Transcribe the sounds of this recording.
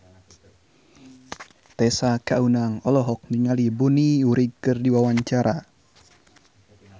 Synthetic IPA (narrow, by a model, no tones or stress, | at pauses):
t̪ɛsakaunaŋɔlɔɦɔk̚niŋalibuniuɾikɨrdiwawaɲt͡ʃaɾa